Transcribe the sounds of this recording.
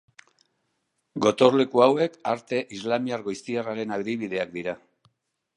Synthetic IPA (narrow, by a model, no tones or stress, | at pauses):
ɡo̞t̪o̞rle̞kuawe̞kaɾt̪e̞ʔizlamiaɾɣo̞jst̪iaraɾe̞naβðiβið̞e̞ak̚d̪iɾa